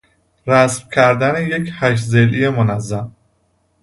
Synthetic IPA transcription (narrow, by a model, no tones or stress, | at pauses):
ɾæsmcʰæɾd̪æneje̞cʰhæʃ̬zelʔijemonæzːæm